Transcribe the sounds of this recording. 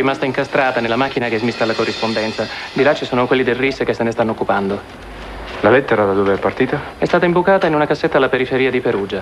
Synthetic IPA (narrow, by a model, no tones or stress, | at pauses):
rimast̪aiŋkast̪ɾaːt̪anelːamak̟ːinakɛzmist̪ːalːakorːispond̪ɛnt̪sad̪ilat͡ʃːisoːnokwelːid̪elrisːkesːenest̪anːoːkːupand̪o | lalɛt̪ːeɾad̪ad̪oːveɛpːart̪iːt̪a | ɛst̪aːt̪aimbukaːt̪ainunakasːet̪ːalːapeɾifeɾiːad̪ipeɾuːd͡ʒa